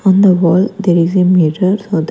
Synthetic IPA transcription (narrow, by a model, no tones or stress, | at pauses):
ɔ̃nd̪əʋɔːld̪eɾizemeːʈəɾsoːd̪